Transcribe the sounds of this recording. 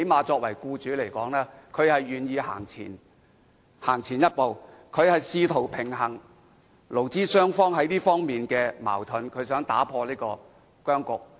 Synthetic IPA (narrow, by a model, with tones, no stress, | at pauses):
he˨˥jmaː˨˧t͡sɔː˧k̚wɐ˨˩jkuː˧t͡ʃyː˨˥le˨˩jkɔː˨˥ŋlɛː˥kʰɵ˨˧ɥhɐ˨jːyː˨njiː˧ha̰ː˨˩ŋt͡sʰḭː˨˩n | haː˨˩ŋt͡sʰiː˨˩njɐ˥t̚po˨w | kʰɵ˨˧ɥhɐ˨jsiː˧t̪ʰo˨˩wpʰɪ˨˩ŋɦɐ˨˩ŋ | lo˨˩wt͡siː˥sœː˥ŋfɔː˥ŋɦɐ˨˥jliː˥fɔː˥ŋmiː˨nkɛː˧ma̰ː˨˩wt̪ʰɵ˨˧nkʰɵ˨˧ɥsœː˨˥ŋt̪a̰ː˨˥pʰɔː˧liː˥kɔː˧ | kœː˥ŋkʊ˨k̚